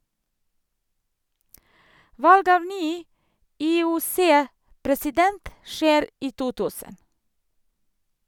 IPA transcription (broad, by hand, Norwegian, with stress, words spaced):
ˈʋɑlɡ ˈɑːʋ ˈnyː ʔiːʊˈseːpɾɛsɪˌdɛnt ˈʃeːɾ ˈiː ˈtuː ˈtʉːsən